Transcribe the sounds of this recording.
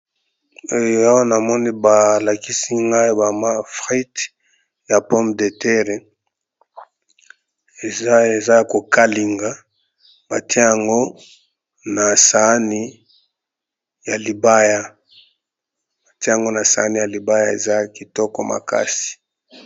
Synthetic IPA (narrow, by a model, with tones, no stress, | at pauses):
o˦˨a˦wa˦na˨mɔ˦ni˦ba˨la˨ki˦si˦ŋɡa˦i˦ba˨ma˦fʁi˦t | ja˨pɔ˦mde˨tɛ˦ʁe˨ | e˨˦e˨za˦˨ko˨ka˦li˨ŋɡa˦ | ba˨ti˦e˦ja˨ŋɡo˦ | na˨sa˨˦ni˦ | ja˨li˨ba˦ja˦ | ba˨ti˦a˨ŋɡo˦na˨sa˨a˦ni˨ja˨li˨ba˦ja˦e˨za˦ki˨tɔ˦kɔ˨ma̰˨ka̰˦si̥˨